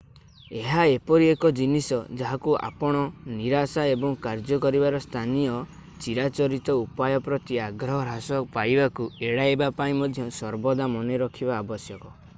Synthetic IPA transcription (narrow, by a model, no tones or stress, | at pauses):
eɦaepɔɾiekɔd͡ʒinisɔd͡ʒaɦakua̰pɔɽ̃ɔniɾasaebɔŋkaɾd͡ʒɔkɔɾibaɾɔst̪ʰanijɔ | t͡ʃiɾat͡ʃɔɾit̪ɔupajɔpɾɔt̪iaɡɾɔɦɔɾɦasɔpajbakueɽajbapaĩmɔd̪ʱjɔsɔɾbɔd̪amɔneɾɔkʰibaːbɔsjɔkɔ